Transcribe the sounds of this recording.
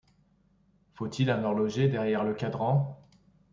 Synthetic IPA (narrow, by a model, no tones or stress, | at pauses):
fot̪ʰilɑ̃nɔʁlɔʒed̪ɛʁjɛʁləkad̪ʁɑ̃